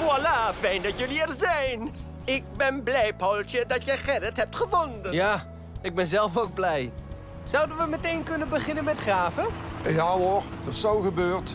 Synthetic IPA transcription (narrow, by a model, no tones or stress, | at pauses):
ɔlafɛjndɑtjəliɛrzɛjn | ɪk̚bɛnblɛjpɔwlˠt͡ʃədɑtjəχɛdəthɛp̚tχəvɔndəjnaː | ɪɡ̚bɛnzɛlˠfok̚blɛj | z̥ʌwdənʋəmətejnkɵnənbəχɪnənmɛtχraːvəjaoɹd̥əsowχəbøːɹt